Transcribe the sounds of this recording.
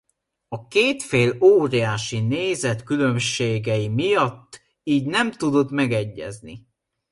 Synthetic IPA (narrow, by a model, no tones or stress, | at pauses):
ɒkeːt̪feːloːɾɛjaːʃineːzɛt̪kylø̞mʃeːɡɛimijɒt̪ː | iːɟnɛmt̪ud̪o̞t̪mɛɡɛɟːɛ̰znḭ